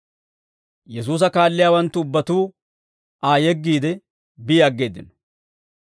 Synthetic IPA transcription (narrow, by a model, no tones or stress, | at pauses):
jɛs̬uːs̬ɐkaːlːɪjaːwɐnt̪ːʊʊbːɐt̪uː | ʔaːjɛɡːiːd̪ɛ | bɪɐɡːe̞ːd̪ɪn